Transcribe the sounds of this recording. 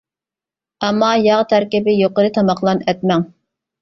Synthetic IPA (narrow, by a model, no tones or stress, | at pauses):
ɛmːɑjɑʁt̪ʰæɾkʲɪbɪjoqəɾɨt̪ʰɑmɑqlˠɑnɛt̪̚mɛŋ